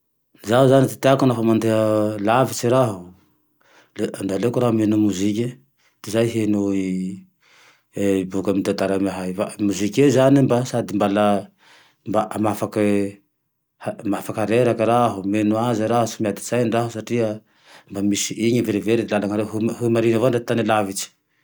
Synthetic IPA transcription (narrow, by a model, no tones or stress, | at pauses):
zauzanit̪i̥t̪iakunafamand̪eɦəlavit͡ʃiɾaɦu | leand̪alekuɾaɦumenumuzik̬ʲe | d̪̥izajɦenu | ibukamit̪at̪aɾamaɦajfamuzikʲezanimbasad̪imbala | mbaʔamafakə | hamafakaɾeɾakəɾaɦumenuaziɾaɦusumjad̪iz̥ajɳɖ͡ʐaɦusaʈ͡ʂia | mbamisiʔiɲəveɾeveɾid̪ilalaŋaɾeɦumɦumaɾinəvoɳɖ͡ʐet̪anilavit͡si̥